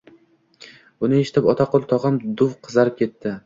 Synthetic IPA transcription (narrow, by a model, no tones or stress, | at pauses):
ʊnɪe̞ʃɪ̥t̪ʰɪpɒt̪ʰaqʰolˠt̪ʰɒʁɨmd̪ʊwqʰɨzaɾɪp̚kʲʰe̞t̪ːɪ